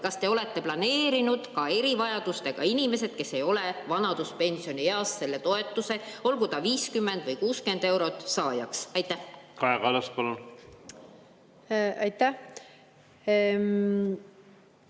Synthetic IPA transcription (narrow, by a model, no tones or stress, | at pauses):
kɑst̪e̞o̞le̞t̪ːe̞plɑne̞ːɾinud̪̥kɑe̞ɾivɑjɑd̪̥ust̪e̞ɡ̥ɑ̰inime̞se̞d̪̥ke̞sːe̞jo̞le̞vɑnɑd̪̥uspe̞nʲsio̞nieɑsːe̞lːe̞t̪o̞e̞t̪ːˑuse̞o̞lɡ̥ud̪ɑviːskymːe̞nd̪̥vɤjkuːske̞nd̪̥e̞wɾo̞t̪ˑsɑːjɑksɑjt̪ːˑæhkɑekɑlɑspɑlun | ɑjt̪æ